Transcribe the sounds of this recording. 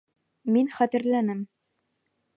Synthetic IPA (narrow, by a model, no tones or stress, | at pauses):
minχæt̪ɘ̆ɾlænɘm